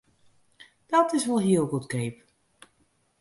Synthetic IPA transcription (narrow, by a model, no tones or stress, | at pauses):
d̥ɔtɪsʋɔlˠɦiəlˠɡutkejp